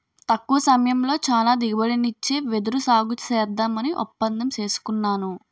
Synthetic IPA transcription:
t̪ɐkːuʋɐsɐmɐjɐmlo̞ːt͡ʃaːlaːd̪iɡibɐɽinit͡ʃːeːʋed̪uɾusaːɡut͡ʃɛːd̪ːaːmɐniʔɔ̰pːɐnd̪ɐmt͡ʃe̞ːsu̥kunːaːnu

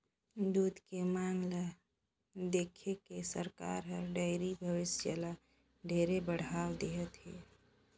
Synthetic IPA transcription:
d̪uːd̪kemaːŋɡla | d̪eːkʰekesəɾka̰ːɾɦəɾɖəɪɾibʱəʋɪsd͡ʒəla | ɖʱeːɾebəɽ̤aːwd̪eɦət̪ɦɛː

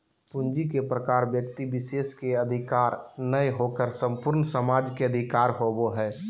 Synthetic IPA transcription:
pʊnd͡ʒikepɾəkaːɾbjəkt̪ibɪʃeːskeəd̪ʱɪkaːɾnəjɦokəɾsə̃mpʊɾnsəmaːd͡ʒkeəd̪ʱɪkaːɾɦoboɦɛː

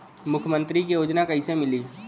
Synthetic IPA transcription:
mʊkʰjəmə̃nt̪ɾikejoːd͡ʒnakɐɦɪsemɪliː

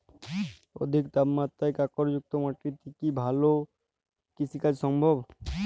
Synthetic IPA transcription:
o̰d̪ʱik̚d̪amːat̪ːajkakɔɾjʊk̚t̪əmaʈɾit̪ikibʱaːlo | kɪsikasɔ̃mbʱɔb

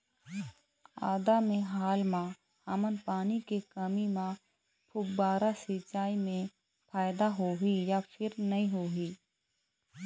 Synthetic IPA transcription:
a̰ːd̪amẽɦaːlmã | haːmənpaːnikekəmimã | pʰʊbaːɾasit͡ʃaːimẽ | pʰaːjɪd̪aɦoɦijapʰɪɾnɐĩɦoːɦiː

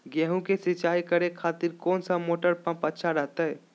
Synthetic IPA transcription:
ɡɛɦũkesɪt͡ʃaːikəɾekʰaːt̪ɪɾkɔːnsamoːʈəɾpɐ̃mpətːʃʰaɾəɦt̪aɦɛː

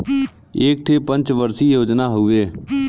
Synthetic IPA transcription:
eːk̚ʈʰeːpə̃ɲt͡ʃʋəɾsiːjoːd͡ʒnaːɦʊʋeː

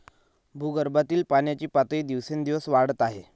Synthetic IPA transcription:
bʱuɡəɾbat̪iːlpaɳjat͡ɕiːpat̪iːd̪iʋsend̪iʋəsʋaɽət̪aɦe

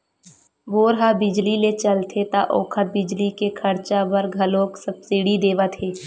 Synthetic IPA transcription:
boːɾɦabɪd͡ʒlilet͡ʃɐlt̪ʰet̪aʔoːkʰət̪̚bɪd͡ʒlikekʰɐɾt͡ʃabəɾɡʱɐlõːksɐbsiɽid̪eːʋat̪ʰeː

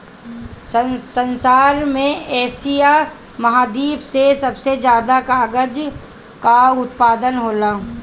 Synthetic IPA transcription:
səsənsaːɾmẽɛːsija | mɐɦaːd̪iːbsesɐbsed͡ʒjaːd̪akaːɡəd͡ʒ | kaʊt̪̚paːd̪ənɦoːlaː

